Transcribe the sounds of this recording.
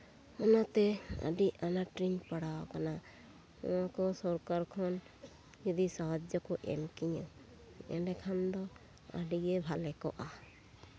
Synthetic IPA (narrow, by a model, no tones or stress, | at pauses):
ɔnat̪ɛa̰ɖianaʈɾinpaɽaɔkana | ṵãkɔsɔɾkaɾkʰɔn | jɔd̪isaɦad͡ʒjɔkɔʔɛ̰mkiɲu | ɛ̰nɖɛkʰand̪ɔ | a̰ɖiɡebʱalɛkɔ̰ʔa